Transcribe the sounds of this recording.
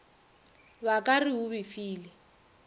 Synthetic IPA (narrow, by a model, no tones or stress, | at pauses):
βakʼariɦʊβɪfiːlɛ